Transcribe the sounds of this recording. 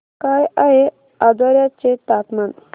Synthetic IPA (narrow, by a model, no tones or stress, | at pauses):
kajaɦe | ad̪aɾjat͡set̪at̪man